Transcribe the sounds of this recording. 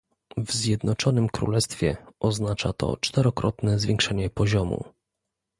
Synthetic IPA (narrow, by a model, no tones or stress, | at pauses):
vzʲjɛd̪nɔt͡ʂɔnɘmkɾṵlɛst̪fʲjɛʔɔznat͡ʂat̪ɔ̰t͡ʂt̪ɛɾɔkɾɔt̪nɛzvʲjɛŋkʂɛɲɛpɔʑɔmṵ